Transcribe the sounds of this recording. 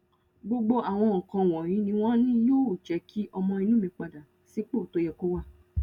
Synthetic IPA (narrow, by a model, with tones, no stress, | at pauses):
ɡ͡bo˦ɡ͡bo˦ʔa˨w̃ɔ̃˧ɔ̃˨kã˧˨w̃ɔ̃˨j̃ĩ˨˦nĩ˧˦w̃ɔ̃˦nĩ˦joː˦˨t͡ʃɛ˨˦kʰi˦ʔɔ˧mɔ̃˧ĩ˧nũ˦mĩ˧k͡pa˨da˨ | si˨˦k͡po˦˨to˨˦jɛ˧˨ko˦wa˦˨